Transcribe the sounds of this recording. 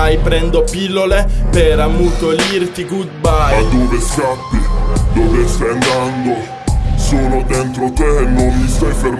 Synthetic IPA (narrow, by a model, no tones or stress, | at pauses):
ajpɾɛnd̪opilːolepeɾamːut̪olirt̪ikud̪̚baad̪oːveskapːid̪oːvest̪ajand̪and̪o | soːlod̪ɛnt̪ɾot̪enːomːist̪ajfeɾ